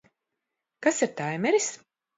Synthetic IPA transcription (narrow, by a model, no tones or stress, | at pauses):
kasiɾt̪ajmɛɾis